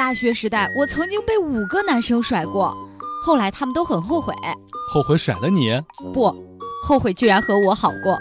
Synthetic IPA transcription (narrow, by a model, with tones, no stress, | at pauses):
t̪a˥˩ɕɥɛ˧˥ʂɻ̩˧˥t̪a˥˩ɪwɔ˨˩t͡sʰɤ˧˥ŋt͡ɕi˥ŋpe˥˩ɪu˨˩ɡə˦na˧˥nʂɤ˥ŋʂwa˨˩ɪkwɔ˥˩xo˥˩ʊla˧˥ɪt̪ʰa˥mə˨nt̪o˥ʊxə˨˩nxo˥˩ʊxwḛ˨˩˦xo˥˩ʊxwe˧˥ɪʂwa̰˨˩ɪlə˦nɛ˧˥˦pwɔ˥˩xo˥˩ʊxwe˨˩ɪt͡ɕy˥˩ɻa˧˥nxɤ˧˥wɔ˧˥xɑ˨˩ʊkwɔ˥˩